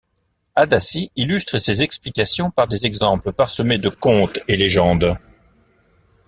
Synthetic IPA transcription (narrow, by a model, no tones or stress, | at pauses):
ad̪asiilyst̪χəsezɛksplikasjɔ̃paʁd̪ezɛɡzɑ̃pləpaʁsəmed̪əkɔ̃t̪eleʒɑ̃d̪